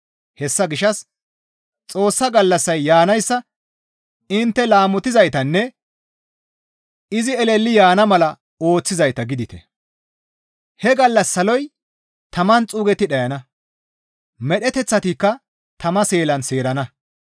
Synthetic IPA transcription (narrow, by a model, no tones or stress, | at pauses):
hɛsːɐɡɪʃɐs | t͡sʼo̞ːsːɐɡɐlːɐsːɐjːaːnɐjsːɐ | ɪnt̪ːɛlaːmɔt̪ɪzɐjt̪ɐnːɛ | ɪzɪɛlɛlːɪjaːnɐmɐlɐ | o̞ːt͡sːɪzɐjt̪ɐɡɪd̪ɪt̪ɛ̰ | hɛɡɐlːɐsːɐlɔj | t̪ʰɐmɐnt͡sʼuːɡɛt̪ːɪɗɐjɐnɐ | mɛɗɛt̪ɛt͡sːɐt̪ikːɐ | t̪ɐmɐse̞ːlɐnse̞ːɾɐnɐ